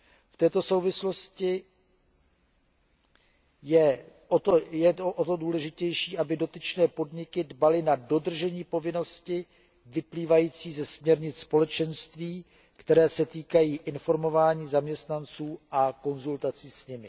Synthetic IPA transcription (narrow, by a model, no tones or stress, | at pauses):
ft̪ɛːt̪o̞so̞wvɪslo̞scɪ | jɛʔot̪ojɛʔot̪o̞duːlɛʒɪcɛjʃiːʔabɪdo̞t̪ɪt͡ʃnɛːpo̞dɲɪkɪdbalɪnado̞d̪r̩ʒɛɲiːpo̞vɪno̞scɪ | vɪpliːvajiːt͡siːzɛsmɲɛɾɲɪt͡sspo̞lɛt͡ʃɛnst̪viː | kt̪ɛɾɛːsɛt̪iːkajiːʔɪnfo̞ɾmo̞vaːɲiːzamɲɛst̪nant͡suːʔako̞nzult̪at͡siːsɲɪmɪ